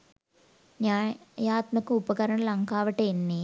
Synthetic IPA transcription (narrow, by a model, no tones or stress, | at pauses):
ɲaːjaːt̪mɐkːɨupɐkɐɾɐɳɐlɐŋkaːʋɐʈːeenːi